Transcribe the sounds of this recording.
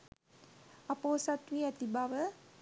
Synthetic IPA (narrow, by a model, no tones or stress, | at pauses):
apoːsat̪ʋiːɛt̪ibaʋə